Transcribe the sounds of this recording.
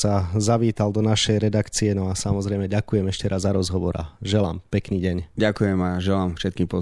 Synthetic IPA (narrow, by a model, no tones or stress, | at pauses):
sazaʋiːt̪ald̪ɔnaʃɛjɾɛd̪akt͡siɛnɔasamɔzɾɛjmɛɟakujɛmɛʃcɛɾʔazzːaɾɔzɦɔʋɔɾa̰ʒɛla̰ːmpɛkniːɟɛɲɟakujɛmaʒɛlaːmfʃɛt̪kiːmpɔ